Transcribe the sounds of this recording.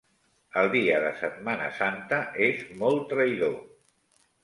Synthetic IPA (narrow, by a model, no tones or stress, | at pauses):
əlˠd̪iəðəsət̪̚manə̰sant̪əʔezmɔlˠt̪ɾəiðo